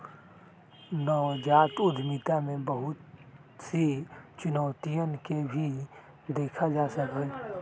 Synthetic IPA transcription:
nɔːd͡ʒaːt̪ʊd̪ʱmɪt̪amẽbəɦʊt̪ | sit͡ʃʊnɔːt̪ijənkebʱi | d̪eːkʰad͡ʒaːsəkɛ

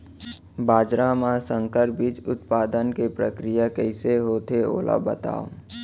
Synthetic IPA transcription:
baːd͡ʒɾamãsə̃ŋkəɾbit͡ʃʊt̪̚paːd̪ənkepɾəkɾɪjakəɪseɦoːt̪eo̰ːlʔa̰bə̰t̪a̰ːo

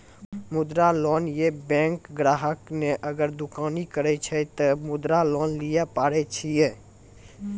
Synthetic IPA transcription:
mʊd̪ɾalɔːnjebɛ̃ːŋkɡɾaːɦəkneʔəɡəɾd̪ʊkaːnikəɾɛt͡ʃʰɛt̪əmʊd̪ɾalɔːnlijapaːɾɛt͡ʃʰijɛ

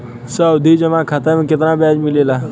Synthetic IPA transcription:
səʊd̪ʱid͡ʒəʋãːkʰɐt̪əm̃kɪt̪naːbɛːd͡ʒmɪleːlaː

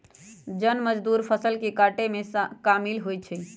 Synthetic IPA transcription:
d͡ʒənməd͡ʒd̪uɾpʰəsəlkekaʈemeskamilɦojt͡ʃʰɛ

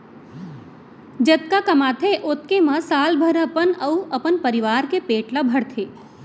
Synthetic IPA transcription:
d͡ʒɐt̪̚kakɐmaːt̪ʰeʔot̪̚kemãsaːlbʱəɾəpənəuʔɐpənpəɾiʋaːɾkepeːʈlabʱɐɽt̪ʰeː

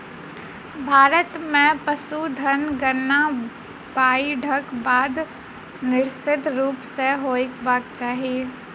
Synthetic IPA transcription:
bʱaːɾət̪mẽpəsud̪ʱənɡənːa | baːiɖʱəkbaːd̪ | nɪɾsɪd̪ʱɾuːpseɦoːɪkbaːkt͡ʃaːɦieː

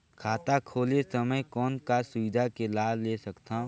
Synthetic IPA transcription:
kʰaːt̪akʰoːlesəməjkɔːnkasʊʋɪd̪ʱakelaːleːsɐkt̪ã

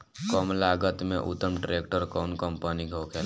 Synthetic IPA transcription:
kəmlaːɡət̪mḛ̃ʔʊ̰t̪ːəmʈɾeːkʈəɾkɔːnkəmpaniɡʱoːkʰel

